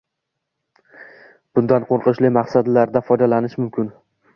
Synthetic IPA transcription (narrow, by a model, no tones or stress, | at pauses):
b̥ʊnd̪anqʰoɾqɨʃlɪmaqsad̪laɾd̪afɒjd̪alanɪʃmʊmkʲʰɪn